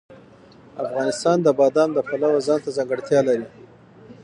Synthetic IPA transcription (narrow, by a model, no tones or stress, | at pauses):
afɣɑnɪst̪ɑnd̪əbɑd̪ɑnd̪əpalawəzɑnt̪azaŋɡaɽt̪jɑlaɾi